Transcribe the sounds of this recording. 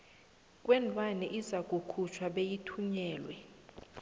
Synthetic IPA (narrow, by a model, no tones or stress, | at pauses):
k̬ʼwɛnd͡ɮʱʼwanɛʔizak̬ʼukʰut͡ʃʰwaɓejitʰuɲɛːlwɛ